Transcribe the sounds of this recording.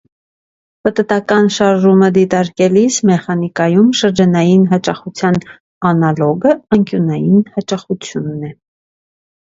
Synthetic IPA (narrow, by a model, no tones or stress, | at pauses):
pət̪ət̪ɑkɑnʃɑɾʒuməd̪it̪ɑɾkɛlismɛχɑnikɑjumʃəɾd͡ʒɑnɑjinɦɑt͡ʃɑχut͡sʰjɑn | ɑnɑlɔɡəəŋkjunɑjinhɑt͡ʃɑχut͡sʰjunːɛ